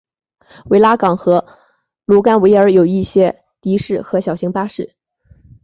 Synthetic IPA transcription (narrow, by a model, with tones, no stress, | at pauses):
we˧˥ɪla˥kɑ˨˩ŋxɤ˧˥ | lu˧˥ka˥nwe˧˥ɪə˞˧˥jo˨˩ʊi˥˩ɕjɛ˥ | t̪i˧˥ʂɻ̩˥˩xɤ˧˥ɕjɑ˨˩ʊɕi˧˥ŋpa˥ʂɻ̩˥˩